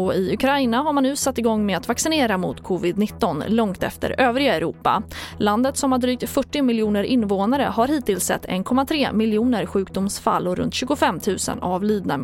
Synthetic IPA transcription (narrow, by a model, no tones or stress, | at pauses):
ɔɪɵkʰɾajnaɦaɾmanːʉ̟ːsat̪ːɪɡɔŋːmɛat̪vaksɪneːɾamʊ̰t̪kʰɔvɪd̪nɪt̪ːɔnlɔŋt̪ɛ̰ft̪ə̰ɾøːvɾɪɡaɛɾṵːpːa̰land̪ət̪sɔmhaɖɾyːk̚t̪fœʈːɪmɪljuːnəɾɪnːvoːnaɾə̰ɦaɾhiːt̪ɪlsɛ̰t̪ːɛ̰nkʰɔmːat̪ʰɾeːmɪljuːnəɾɧʉ̟ːkd̪ʊmsfa̰lːɔɾɵ̰nt̪ɕʉ̟ːɡʊfɛmːt̪ʰʉ̟ːsə̰na̰vliːd̪nam